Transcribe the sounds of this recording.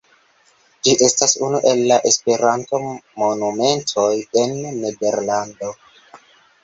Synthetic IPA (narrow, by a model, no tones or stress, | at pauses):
d͡ʒiʔe̞stasunuʔe̞lːaʔespeɾanto̞monume̞ntʰo̞jenːede̞ɾlando̞